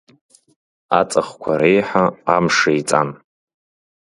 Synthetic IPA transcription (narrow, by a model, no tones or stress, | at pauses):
a̰t͡sʼaχkʷʰaɾejħaamʂejt͡sʼan